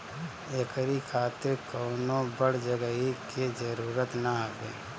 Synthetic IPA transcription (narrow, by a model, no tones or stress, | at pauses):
ekəɾikʰaːt̪ɪɾkoːnõbəɽd͡ʒəɡəɦiked͡ʒəɾuːɾət̪naɦabḛː